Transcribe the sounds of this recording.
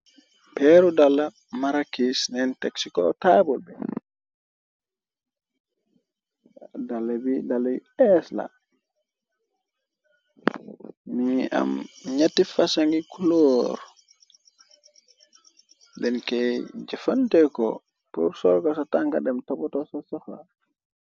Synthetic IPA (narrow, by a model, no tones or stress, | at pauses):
pɛɾudalːa | maɾakisnɛnteksikɔ̰tabɔlbɛ̰ | dalːabidalːaɛsla̰ | mia̰mɲatifasaŋɡikuloɾ | dɛnkɛjd͡ʒɛfantɛkɔ̰ | pṵɾsɔlkɔsataŋkadɛmtabɔtɔsasɔxla̰